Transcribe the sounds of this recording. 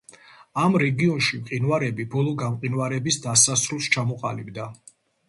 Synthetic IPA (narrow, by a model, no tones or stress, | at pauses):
amɾɛɡiɔnʃimqʼinwaɾɛbibɔlˠɔɡamqʼinwaɾɛbisd̪asasɾulˠst͡ʃʰamɔqʼa̰libd̪a